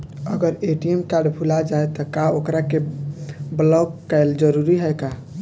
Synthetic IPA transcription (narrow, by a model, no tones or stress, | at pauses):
əɡəɾeʈiemkaɾɖbʱulad͡ʒajt̪ɔkaokɾake | blɔkkːəɪld͡ʒəɾuɾiɦəjka